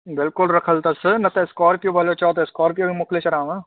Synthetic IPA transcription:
bɪlkʊlɾɐkʰəlt̪ɐsənɐt̪ɐɪskɔːɾpjobʱɐlot͡ʃɔːt̪̬ɐskɔːɾpijoimʊkʰlet͡ʃɐɾaːmã

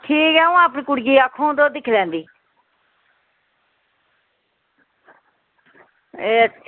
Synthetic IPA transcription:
ʈʰiːkɛːũːaːp̬ɳiːkʊɽɡiːaːkʰːõːd̪oːd̪ɪkʰlɛ̃ːnd̪iː | eːə

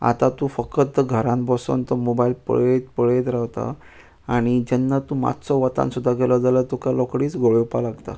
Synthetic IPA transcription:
a̰t̪at̪ufəkət̪̚ɡʱəɾãnbʱɔso̰nt̪əmobailpə̰ɭet̪pəɭet̪ɾawt̪a̰ | aɽ̃id͡ʑɛnːat̪uma̰t̪sɔʋət̪ã̰nsud̪ʱːaɡɛlɔd͡zalət̪ukalɔkɽiːt͡sɡoɭewpalaɡt̪a̰

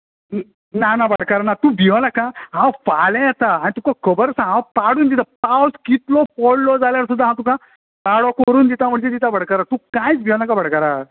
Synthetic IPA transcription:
nanabəɽkaɾanat̪ũbʱiʋlakãɦãwfalɛ̃jat̪aañit̪ũkakʰəbəɾsãɡãpaɽuːnd̪it̪apawskit̪lɔpɔɽlɔd͡zaljaɾsud̪ʱːaɦãwt̪ũkã | paɽɔkəɾuːnd̪it̪ãm̤əɳd͡ʑet̪it̪abəɽ̤kaɾat̪ũːkãjt͡sbʱiʋãlakabəɽ̤kaɾa

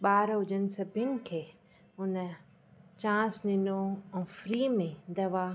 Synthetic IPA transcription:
ɓaːɾɦʊd͡ʑənɪ̆sɐbʱənɪ̆kʰeː | ɦʊn | t͡ɕãːsɗɪnoɛ̃ːfɾiːmẽd̪ɐʋa

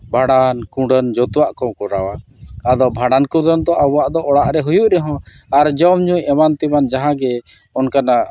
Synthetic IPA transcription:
bʱaɽankũɖənd͡ʒɔt̪uwaʔkɔwkɔɾawaː | d̪ɔbʱaɽankũɖənd̪ɔʔabwaʔd̪ɔʔɔɽaʔɾɛɦujuʔɾɛɦɔ̃ | aɾd͡ʒɔmɲujɛmant̪iband͡ʒaɦãɡɛ | ɔnkana

